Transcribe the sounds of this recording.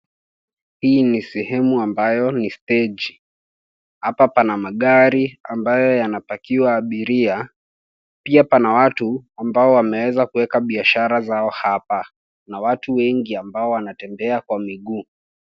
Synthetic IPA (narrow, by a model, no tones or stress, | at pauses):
hiːnisɛhɛmuambajɔnistɛd͡ʒi | hapapanamaɠaɾiambajɔjanapakiwaːɓiɾia | piapanawatuambaɔwamɛwɛzakuwɛkaɓiaʃaɾazaɔhapa | nawatuwɛŋɡiambaɔwanatɛmbɛakwamiɠuː